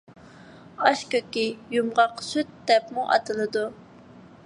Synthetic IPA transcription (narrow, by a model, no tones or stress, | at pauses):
ɑʃkʲøkʲijumʁɑqsyt̪̚d̪ɛpmuʔɑ̰t̪ʰɨlˠɨd̪u